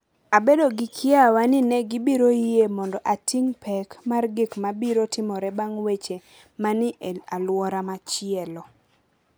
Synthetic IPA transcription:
abedoɡɪkʰɪawanɪnɛɡɪbiɾojiemɔndɔʔatiŋpʰɛkmarɡɪkmabiɾotɪmɔɾɛbaŋwet͡ʃe | manɪʔalwɔɾamat͡ʃɪɛlɔ

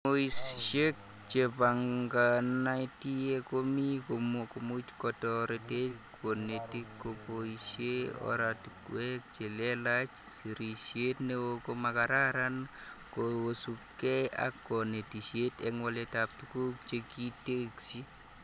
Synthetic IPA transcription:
moisʃek̚ | t͡ʃepaŋɡanaitiekomikokomut͡ʃkɔtɔɾitekʰonetikːopoiʃeɔ̰ɾatkwɛk̚t͡ʃelelat͡ʃ | siɾiʃjetnewokomakaɾaɾankowosukːea̰kːɔnetiʃetɛŋwaletap̚tukukt͡ʃekiteksi

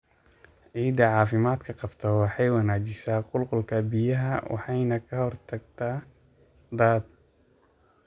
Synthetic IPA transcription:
ʕiːd̪ɐʕɑːfɪmaːd̪kʰɐqɑbt̪ʰɐwɑħɑjwɑnaːt͡ʃɪsaːqʊlqʊlkʰɐbɪjɐɦɐ̰wʔɑ̰ħɑjnɐkʰɐhɔrt̪ʰɐɡ̚t̪ʰaː | d̪aːd̪̚

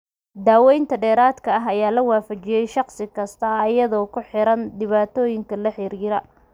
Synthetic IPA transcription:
d̪aːwɛjnt̪ʰɐɖɛːɾaːd̪kʰɐɐɦɐjaːlɐwaːfɐt͡ʃɪjɛjʃɑqsɪkʰɐst̪ʰɐːjɐðɔːkʰʊħɪɾɐnd̪ɪβaːt̪ʰɔːjɪŋkʰɐlɐħɪɾiːɾɐ

